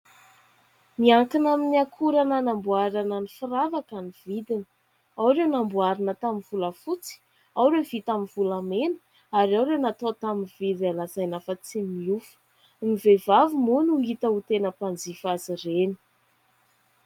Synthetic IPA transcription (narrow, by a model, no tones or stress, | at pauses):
miaŋkinaminiakʰuɾanənambuaɾananifiravakanivid̪inə̥ | awɾewnambuaɾinət̪aminvuləfut͡si̥ | awɾev̥it̪amivulamenə̥ | aɾiawɾewnat̪ot̪aminvid̪alazajnafət͡simiufu̥ | mivevavimunuŋit̪əut̪enəpand͡zifazireni̥